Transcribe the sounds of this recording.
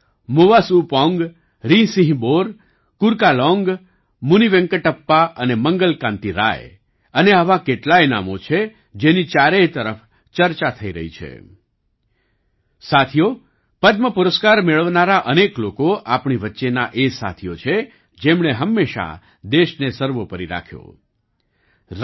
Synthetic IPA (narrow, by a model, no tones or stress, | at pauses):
moʋasupɔ̃ŋɡ | ɾĩsĩɦboɾ | kʊɾkalɔŋɡ | muniʋẽŋkəʈəpːaʔəneməŋɡəlkãnt̪iɾa̰j | əneaʋakeʈlajna̰mo̰t͡ʃʰe | d͡ʒenit͡ʃaɾet̪əɾəf | t͡ʃəɾt͡ʃat̪ʰəiɾə̰ɦḭt͡ʃʰḛ | sat̪ʰijo | pəd̪məpʊɾəskaɾmeɭəʋnaɾaʔəneklokoʔapɳiʋətːʃenaʔesa̰t̪ʰijot͡ʃʰe | d͡ʒemɳeɦəmːeʃa̰ | d̪eʃnesəɾʋopəɾiɾa̰kʰjo̰